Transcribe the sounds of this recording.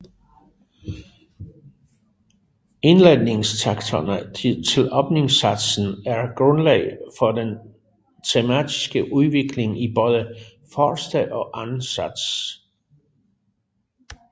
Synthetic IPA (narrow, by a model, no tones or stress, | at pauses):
e̝nlene̝ŋst͡sʰɑ̈ɡ̥t͡sʰonət͡sʰe̝lɒ̽b̥ne̝ŋsæd̥sn̩æɐɡ̥ʁɔ̽nlɛ̰ɪfɒ̽d̥en | t͡sʰemæ̰d̥i̥sɡ̥əʔuðˠʋe̝ɡ̥le̝ŋib̥ɔːð̞ˠə | fɒːsd̥ɛʔɒ̽ʔænnsæd̥s